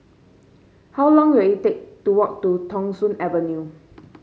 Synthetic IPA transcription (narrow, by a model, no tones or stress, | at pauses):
hawlɔ̃ŋwɛjitek̚tuwɔk̚tutʰɔ̃ŋsũnɛvənju